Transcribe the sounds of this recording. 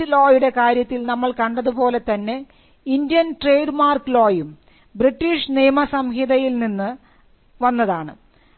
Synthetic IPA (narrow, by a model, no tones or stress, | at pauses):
lo̞ːjuɽe̞kaːɾjɐt̪ːilnɐmːɐɭkɐɳɖɐðupo̞ːle̞t̪ɐnːe | ind̪jɐnʈre̞jɖɨmaːrklo̞ːjum | briʈːiːʂnijɐmɐsɐmɦiðɐjilninːɨ | ʋɐnːɐðaːɳɨ̰